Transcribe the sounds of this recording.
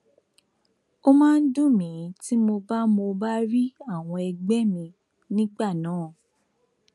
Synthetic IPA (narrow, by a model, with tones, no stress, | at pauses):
o˧mãː˦n̩˦dũ˦mĩ˨˦ti˦mo˧ba˦mo˧ba˦ɾi˦a˦˨w̃ɔ̃˧ɛ˧ɡ͡bɛ˦mĩ˧ | nĩ˦ɡ͡ba˦˨nãː˨˦˨